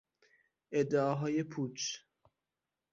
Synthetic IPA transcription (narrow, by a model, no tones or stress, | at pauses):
ʔed̪ːeɒɦɒːjepʰuːt͡ʃ